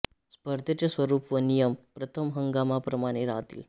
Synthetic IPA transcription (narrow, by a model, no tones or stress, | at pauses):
spəɾd̪ʱət͡ɕesʋəɾuːpʋənijəmpɾət̪ʰəmɦəŋɡamapɾəmaɽ̃eɾa̰ɦt̪ḭːl